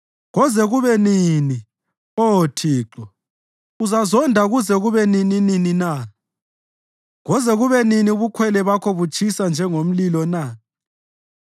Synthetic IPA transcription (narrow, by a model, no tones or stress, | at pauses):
ɣɔzɛɣuβɛnini | otʰiːǁɔ | uzazɔndʱaɣuzɛɣuβɛninininina | ɣɔzɛɣuβɛniniuβukʰwɛlɛβakʰoβut͡ʃʰʼisand͡ʒʱɛŋom̩lilɔna